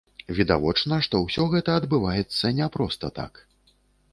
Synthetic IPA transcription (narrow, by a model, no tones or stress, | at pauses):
vʲid̪avɔt͡ʂnɐʂt̪ɔwsʲɔɣɛt̪ɐɐd̪bɨvajɛt̪sːɐnʲɛpɾɔst̪ɐt̪a̰k